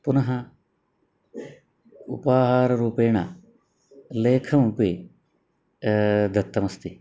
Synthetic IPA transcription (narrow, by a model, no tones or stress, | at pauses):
pʊnɐɦɐ | ṵpaːɦaːɾɾuːpeːɳa | leːkʰɐm̃pi | d̪ʱɐt̪ːɐmɐst̪i